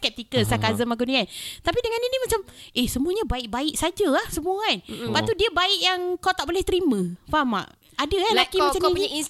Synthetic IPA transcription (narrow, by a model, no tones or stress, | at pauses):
skɛp̚t̪ikəlsakazəmakuniant̪apidəŋaninimat͡ʃamʔehsəmuəɲabaɪʔ̚baɪʔsad͡ʒaahsəmuəanbaʔt̪udiəbaɪʔjaŋkawt̪aʔbolɛht̪əɾimə̃fama̰ʔ | adaalakimat͡ʃammpuɲain